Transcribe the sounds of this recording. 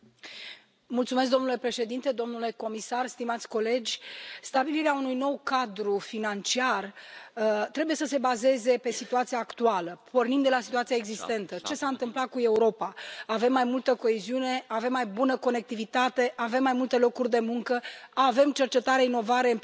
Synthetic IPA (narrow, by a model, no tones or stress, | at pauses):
mult̪sumes̬k̬̚d̪o̞mnule̞pɾe̞ʃe̞d̪int̪e̞d̪o̞mnule̞ko̞misarst̪imat̪sʲko̞le̞d͡ʒʲst̪abiliɾeaunujno̞wkad̪ɾufinant͡ʃiar | t̪ɾe̞buje̞səse̞baze̞ze̞pe̞sit̪uat̪siaːkt̪ualəpo̞rnimd̪e̞lasit̪uat̪sijaeɡzist̪e̞nt̪ət͡ʃe̞saɨnt̪ɨmplat̪̚kue̞uɾo̞paːve̞mːajmult̪əko̞eziune̞ave̞mːajbunəko̞ne̞k̚t̪ivit̪at̪e̞ʔave̞mːajmult̪e̞lo̞kurʲd̪e̞muŋkəave̞mt͡ʃert͡ʃe̞t̪aɾeaino̞vaɾe̞ɨm